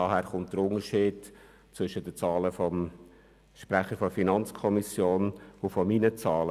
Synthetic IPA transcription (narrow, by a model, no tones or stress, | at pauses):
ɑːhæːɾχʊnt̚d̥əɾʊŋəʃiːd | t͡sʋʏʃəd̥ət͡sɑːləfɔm | ʃpɾæχəɾfɔfinɑnt͡skʰɔmisjoːnʊfɔminət͡sɑːlə